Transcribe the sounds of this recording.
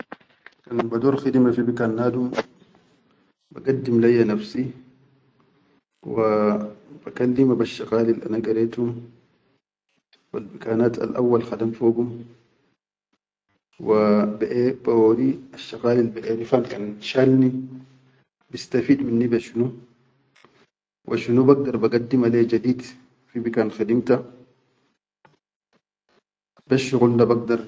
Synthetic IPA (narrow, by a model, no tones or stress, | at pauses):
kanbad̪uːɾxid̪imafibikanːaːd̪um | ba̰ɡad̪ːimlajːanafsi | wab̥akalːimabaʃːaɣaːlilʔa̰naɡaɾeːt̪hum | wa̰lbikaːnaːt̪a̰lʔa̰wːalxad̪amfoːɡum | wabaʔebaoːd̪iaʃːaɣaːlilbɛʔenifankanʃalni | bist̪afiːd̪minːibeʃinu | wʔaʃunubaɡ̚d̪ɑɾˤbaɡad̪ːimaleːd͡ʒad̪iːd̪ | fibikanxad̪imt̪a | baʃːiɣʊnːabaɡ̚d̪ɑɾˤ